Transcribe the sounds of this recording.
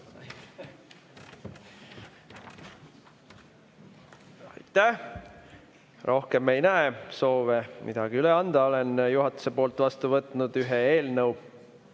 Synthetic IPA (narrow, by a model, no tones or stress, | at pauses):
ɑ̰jt̪ːˑæh | rʔo̞hke̞mːe̞jnæeso̞ːvemʔḭd̪̥ɑɡ̥iyleɑnd̪̥ɑo̞lenjuɦɑt̪ːˑu̥se̞po̞ːlt̪ːˑvɑst̪uvɤt̪ːˑnud̪̥yɦeeːlnɤw